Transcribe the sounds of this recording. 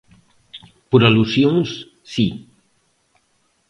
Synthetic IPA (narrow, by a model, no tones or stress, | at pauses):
puɾalusjons | si